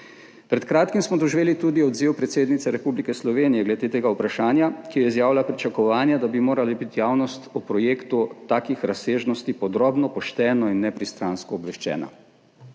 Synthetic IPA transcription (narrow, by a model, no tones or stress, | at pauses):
pɾɛt̪kɾaːt̪kimsmɔd̪ɔʒʋeːlit̪ud̪iɔd̪ziwpɾɛt̪seːd̪nit̪sɛɾɛpublikɛslɔʋeːnijɛɡlɛd̪et̪eːɡaupɾaʃaːnjakijɔizjaːwlapɾit͡ʃakɔʋaːnjad̪abimoːɾalibit̪jaːwnɔst̪upɾɔjeːkt̪ut̪aːkixɾaseːʒnɔst̪ipɔd̪ɾoːbnɔpɔʃt̪ɛːnɔinːɛpɾist̪ɾaːnskɔːbʋɛʃt͡ʃɛ̰ːna̰